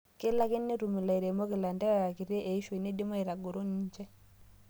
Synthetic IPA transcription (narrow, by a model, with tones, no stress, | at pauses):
kɪ˦la˦kɪ˦nːi˦ɾu˨mu˨la˨i˨ɾɛ˨mo˦kɪ˨la˨ndɛ˦wa˨a˨ki˨ɾɛ˦ʔe˨i˦ʃwe˨ne˦dɪ˦mɔ˦i˨ɾa˨ɡo˨ɾo˦ni˦d͡ʒɛ˦